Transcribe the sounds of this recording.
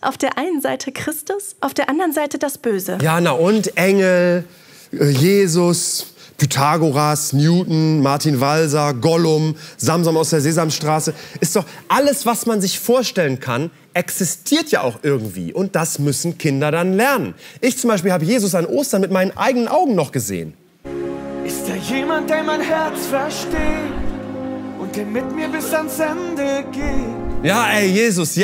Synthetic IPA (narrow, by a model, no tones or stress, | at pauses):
ʔaʊfd̥eːɐʔaɪnənzaɪtʰəkʁ̥ɪstʊsʔaʊfd̥eːɐʔandɐʁənzaɪtəd̥asb̥øːzəjaːɡənaʊʔʊntʔɛŋl̩ | ɛjeːzʊspʰytʰaːɡoʁasnjuːtn̩maɐtʰinvalzɐɡɔlʊmzamzɔmaʊsd̥eːɐzeːzamsʃtʁ̥aːsəʔɪst̚d̥ɔχʔaləsv̥asmanzɪçfoːɐʃtɛlənkʰan | ʔɛksɪstʰiːɐtja̰ːʔaʊxʔɪɐɡŋ̩tv̥ḭːʔʊnt̚d̥asmʏsn̩kʰɪndɐɾanlɛɐnə̰nʔɪçt͡sʊmbaɪʃpilhaːbəjeːzʊs̬anʔoːstɐnmɪt̚maɪnənʔa̰ɪɡənənʔaʊɡŋ̩nɔχɡ̥əzḛːən | ʔɪstd̥aːɐjeːmant̚d̥eːɐmaɪnhɛɐt͡sfɛɐʃteːt | ʔʊnt̚d̥eːɐmɪtmiːɐbɪsansɛndəɡeːtjaːʔɛɪjeːzʊsj